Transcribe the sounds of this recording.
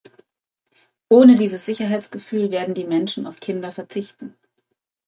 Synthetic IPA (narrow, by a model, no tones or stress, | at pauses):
ʔoːnədiːzəsz̥ɪçɐɦaɪtt͡sɡ̥əfyːlveːɐdn̩diːmɛnʃn̩ʔa̰ʊfkʰɪndɐfɛɐt͡sɪçtn̩